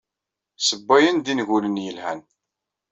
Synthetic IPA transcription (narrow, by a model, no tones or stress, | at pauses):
səbːæjənd̪inʝulənjəlhæn